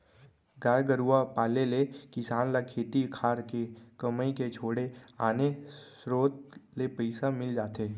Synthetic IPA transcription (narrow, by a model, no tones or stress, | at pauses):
ɡaːɾɡəɾuapaːlelekɪsaːnlakʰːeːt̪ikʰaːɾkekəməiket͡ʃʰoːɽeaːne | ɾoːt̪̚lepəɪsamɪld͡ʒaːt̪eː